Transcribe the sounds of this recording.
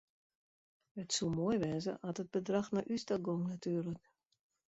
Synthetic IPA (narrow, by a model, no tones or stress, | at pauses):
ətsumoːjʋɛzə̰ʔatəd̚bədraxnaʔystaɡoŋnatyːərlək